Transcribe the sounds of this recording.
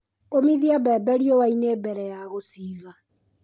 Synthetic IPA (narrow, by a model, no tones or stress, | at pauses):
omiðiabɛːbɛɾiowainebɛɾɛjaɣosiːɣa